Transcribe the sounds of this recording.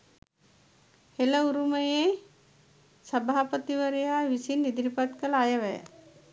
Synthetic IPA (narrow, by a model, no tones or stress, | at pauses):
heləuɾuməje | səbʱaːpət̪iʋəɾejaːʋisinːid̪iɾipaʈkəlajəʋɛjə̰